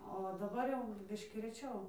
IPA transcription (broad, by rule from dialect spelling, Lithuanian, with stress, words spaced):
oː dɐˈbɐr jɛʊ ˈbʲɪʃʲkʲiː rʲɛˈt͡ʃʲɛʊ